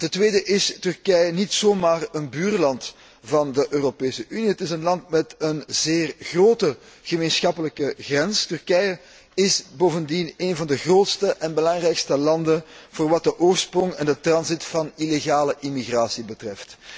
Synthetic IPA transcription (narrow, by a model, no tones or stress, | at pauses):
təntweːdəʔɪstʏrkɛjənitsoːmaːrənbyːrlɑnt | vɑndəʔøːropeːsəʔyniɦətɪsənlɑntmɛtənzeːrɣroːtə | ɣəmeːnsxɑpələkəɣrɛnstʏrkɛjə | ɪsboːvəndineːnvɑndəɣroːtstəʔɛnbəlɑŋrɛjkstəlɑndənv̥oːrʋɑt̚dəʔoːrsprɔŋɛndətrɑnzitfɑnileɣaːləʔimiɣraːsibətrɛft